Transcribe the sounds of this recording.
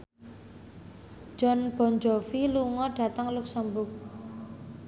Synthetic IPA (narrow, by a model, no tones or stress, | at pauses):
d͡ʒ̥ɔnb̥ɔ̤ɲd͡ʒɔfiluŋɔɖ̥a̤t̪əŋluksambʊk̚